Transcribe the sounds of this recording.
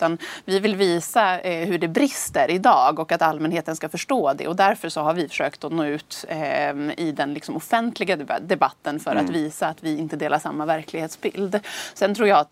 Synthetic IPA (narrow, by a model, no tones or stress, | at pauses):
t̪anvɪvɪlviːsahɵɖɛbɾɪst̪əɾɪd̪ɑːɡɔkat̪almɛnheːt̪ənskafœʂʈoːd̪ɛ̰ɔd̪æɾfœʂɔɦaɾvɪfœ̥ʂøːkt̪ɔnoːʉ̟ːt̪ | ɪd̪ɛnlɪksɔmɔfɛnt̪ʰlɪɡad̪ɛbat̪ːənfœɾʔa̰t̪viːsaːt̪vɪɪnt̪əd̪eːlaʂamːavæɾkʰlɪɡheːt̪sbɪ̰ld̪sɛnt̪ʰɾuːɾjɑː